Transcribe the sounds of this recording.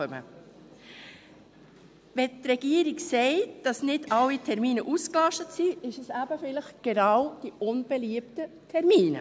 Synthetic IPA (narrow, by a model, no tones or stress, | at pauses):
œmə̰ | ʋɛtɾɛɡ̥iəɾiksɛɪtd̥ɑsnɪdʰɑlːitʰɛɾmiːnəʔusklɑʃtətsiɪʃɛsæbəfɪləχɡ̥enɑwd̥iʔʊnb̥eliəptə | tʰɛɾmiːnə̰